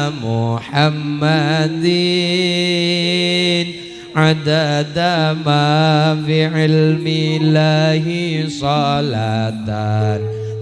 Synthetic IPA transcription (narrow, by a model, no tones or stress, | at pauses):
mʊħamːad̪i | n | ʕad̪ad̪amaːfiʕɪlmɪlaːɦɪsˤɑlaːt̪an